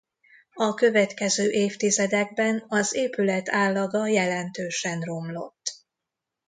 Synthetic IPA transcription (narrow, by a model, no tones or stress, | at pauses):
ɒkø̞vɛt̪kɛzøːʔeːft̪izɛd̪ɛɡ̚bɛnɒzeːpylɛt̪ʰaːlːɒɡɒjɛlɛnt̪øːʃɛnro̞mlo̞̰t̪ː